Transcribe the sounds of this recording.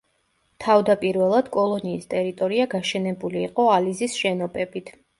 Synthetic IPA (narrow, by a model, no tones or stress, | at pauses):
t̪ʰavd̪apʼiɾvɛlˠad̪̥kʼɔlˠɔniːst̪ʼɛɾit̪ʼɔɾiaɡaʃɛnɛbuliːqʼɔalizisʃɛnɔpʼɛbit̪ʰ